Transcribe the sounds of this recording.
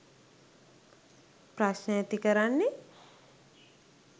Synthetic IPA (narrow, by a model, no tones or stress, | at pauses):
pɾasnət̪ikəɾanːi